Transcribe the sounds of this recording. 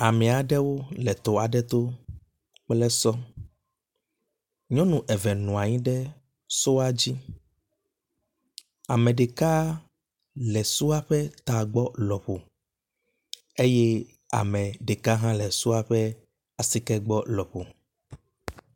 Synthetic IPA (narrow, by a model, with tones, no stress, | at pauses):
a˨mɛ̃˨a˨ɖɛ˦wo˦lɛ˨t̪o˨a˨ɖɛ˦t̪o˦ | k͡plɛ˦sɔ˦ | ɲɔ̃˦nũ˨ʔɛ˨vɛ˨nũ˨a˨ɲĩ˦ɖɛ˦ | so˦a˦d͡ʑi˦ | a˨mɛ̃˨ɖe˨ka˦ | lɛ˨su˦a˦ɸɛ˦t̪a˨ɡ͡bɔ˦lɔ˨ɸo˨ | e˦jɛ˦ | a̰˨mɛ̃˨ɖe˨ka˦ɦã˦lɛ˨su˦a˦ɸɛ˦ | a˨si˦kɛ˦ɡ͡bɔ˦lɔ˨ɸo˨